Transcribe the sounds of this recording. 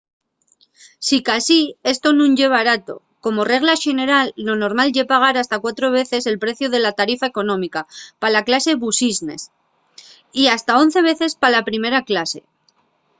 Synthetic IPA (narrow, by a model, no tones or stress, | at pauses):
sikasie̞st̪o̞nũɲʝe̞βaɾat̪o̞̰ | ko̞mo̞re̞ɣlaʃene̞ɾalːo̞no̞ɾmalʝe̞paɣ̞aɾast̪akwat̪ɾo̞β̞e̞θe̞se̞lpɾe̞θjoð̞e̞lat̪aɾifae̞ko̞nõ̞mikapalaklase̞βusizne̞̰s | iast̪ao̞n̟θe̞βe̞θe̞spalapɾime̞ɾaklase̞